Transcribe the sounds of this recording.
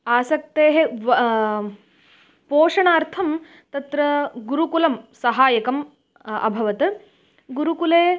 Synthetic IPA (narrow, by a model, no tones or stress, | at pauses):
aːsɐkt̪eːɦe | poːʂɐɳaːɾt̪ʰɐm | t̪ɐt̪ɾɐɡuɾukulɐmsɐɦaːjɐkɐm | ɐ̰bʱɐʋɐt̪ɐ | ɡuɾukuleː